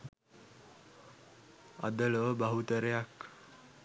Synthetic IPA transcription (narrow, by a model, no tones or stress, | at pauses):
a̰d̪əloəbaɦut̪əɾejak